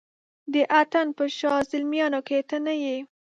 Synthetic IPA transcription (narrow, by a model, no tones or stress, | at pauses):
d̪əʔat̪anpəʃɑzɪlmjɑnoket̪ənaje